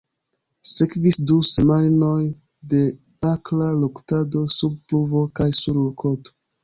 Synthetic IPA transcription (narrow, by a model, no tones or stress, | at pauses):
sekvisduse̞majnoj | de̞ | aklaloktado̞sub̚pluvo̞kajsuɾloko̞to̥